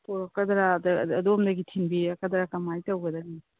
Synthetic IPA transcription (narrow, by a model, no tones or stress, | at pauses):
poɾɐkɐdɾadɐdomdɐɡitʰinbiɐkɐdaɾakamajtɐwɡɐdɐni